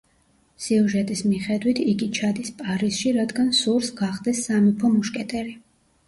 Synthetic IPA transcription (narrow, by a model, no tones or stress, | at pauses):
siuʒɛt̪ʼismiχɛd̪wit̪ʰiɡit͡ʃʰad̪ispʼaɾisʃiɾad̪ɡansuɾsɡaχd̪ɛsːamipʰɔmuʃkʼɛt̪ʼɛɾi